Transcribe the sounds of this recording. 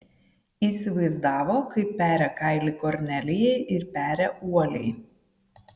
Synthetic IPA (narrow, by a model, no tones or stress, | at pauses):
iːˑsʲɪʋɐɪzd̪ɑːʋoːkɐɪpːʲæːɾʲɛkɐɪlʲɪkɔɾʲnʲɛlʲɪjɛɪʔɪɾpʲæːɾʲɛuɔlʲɛɪ